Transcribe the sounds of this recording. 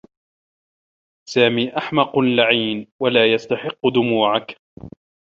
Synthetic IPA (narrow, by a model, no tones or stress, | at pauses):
saːmiːʔaħmɑqʊlaʕiːnwalaːjast̪aħɪqːʊd̪ʊmuːʕak